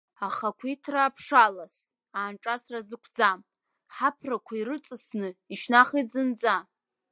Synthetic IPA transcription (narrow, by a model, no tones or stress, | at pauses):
aχakʷʰitʰraːpʰʂalas | aːnʈ͡ʂʼasrazɨkʷʰd͡zam | ħapʰrakʷʰairɨt͡sʼɨsnɨiʃnaχid͡zɨnd͡za